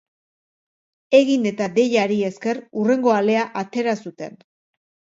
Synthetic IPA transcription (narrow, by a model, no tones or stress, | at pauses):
e̞ɣine̞t̪aðe̞ʎaɾie̞ske̞rure̞ŋɡo̞ale̞aʔat̪e̞ɾasut̪e̞n